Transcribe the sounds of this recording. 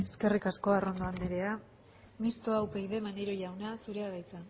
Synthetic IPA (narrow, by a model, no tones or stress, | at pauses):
e̞ske̞rikasko̞aro̞nd̪oand̪eɾe̞a | mist̪oawpejðemaneɾo̞ʝawnasuɾe̞aðajt͡sa